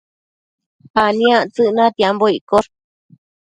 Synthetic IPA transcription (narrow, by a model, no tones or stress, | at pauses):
anĩãt͡sɨʔnãt̪iamboikoɾ